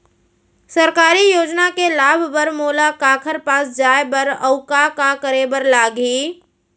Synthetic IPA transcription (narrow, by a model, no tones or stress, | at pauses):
səɾkaːɾijoːd͡ʒnakelaːbʱbəɾmoːlakaːkʰəɾpaːsd͡ʒaːebəɾəʊkakakəɾebəɾlaːɡiː